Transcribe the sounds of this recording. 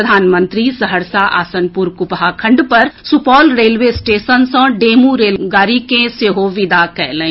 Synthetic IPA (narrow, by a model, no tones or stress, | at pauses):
əd̪ʱaːnmə̃nt̪ɾisəɦəɾsaʔa̰ːsənpuɾkʊpɦakʰɐ̃ɳɖpɐɾsupɔːlɾeːlʋesʈeːʃənsə̃ɖeːmuɾeːlɡaːɾikẽseɦoʋɪd̪akɛɦlẽ